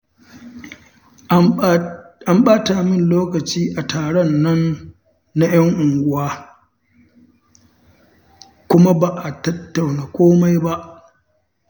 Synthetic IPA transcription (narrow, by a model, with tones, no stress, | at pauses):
a˦mɓaː˦ta˨mɪ˦nloː˦kɐ˨t͡ʃiː˦ʔa˨tʰaː˨ɽɛ˦nːɐ˦nː | a˦j̰ɐ˦ŋʔʊ˨ŋɡʷʊ˦waː˦ | kʷʊ˦ma˦ba˨ʔa˨tɐ˦tːa˨wnaː˨kʷoː˦ma˦jba˦ʔ